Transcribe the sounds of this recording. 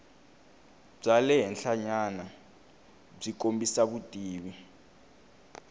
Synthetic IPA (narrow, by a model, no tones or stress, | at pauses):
b͡ʐalɛɦɛnɬaɲana | b͡ʐikʼombisaβutʼiːβi